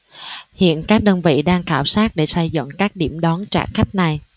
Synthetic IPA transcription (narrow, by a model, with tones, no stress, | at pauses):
hḭ˧˨ənkaː˦˥k̚ɗə˧nvḭ˧˨ɗaː˧ŋkaː˧˩wsaː˦˥t̚ɗe˧˩sa˧jzə̰˧˨ŋkaː˦˥k̚ɗi˧˩əmɗɔ˨˦nt͡ɕa̰ː˧˩xa˦˥jk̟̚na˨˩j